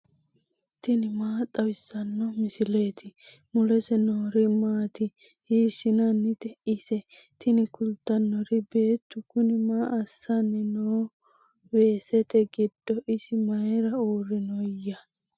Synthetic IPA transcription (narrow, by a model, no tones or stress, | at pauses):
t̪ɪnɪmaːt̪ʼɐwɪsːɐnːɔmɪsɪle̞ːt̪ʰɪ | mʊlɛsɛnoːɾɪmaːt̪ɪ | hiːsɪnɐnːɪt̪ɛʔisɛ | t̪ɪnɪkʊlt̪ːɐnːɔɾɪbe̞ːt̪ːʊkʊnɪmaːʔɐsːɐnːɪnoː | we̞ːsɛt̪ɛɡɪd̪̥ːɔʔɪsɪmɐjɛɾɐoːɾɪnɔjːɐ